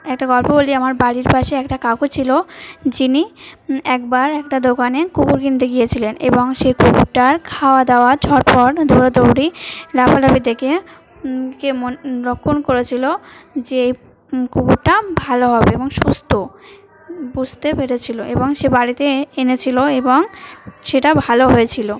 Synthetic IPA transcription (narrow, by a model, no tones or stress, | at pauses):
ɛk̚ʈaɡɔlpoboliamaɾbaɽiɾpaʃeɛkʈakakut͡ɕʰilod͡ʑiniɛkbaɾɛk̚ʈad̪okanekukuɾkint̪eɡijet͡ɕʰilenḛboŋʃekukuɾʈaɾkʰaoad̪aoat͡ɕʰɔɾpɔɾd̪ʱoɾod̪owɽilapalabid̪eke | kemoɾokʰːonkoɾet͡ɕʰilod͡ʑeej | kuɡuɾʈabʱaloɦɔbeeboŋʃust̪o | bud͡ʑʱt̪epeɾet͡ɕʰiloʔḛboŋʃebaɽit̪eenet͡ɕʰiloeboŋʃeʈabʱaloɦojet͡ɕʰilo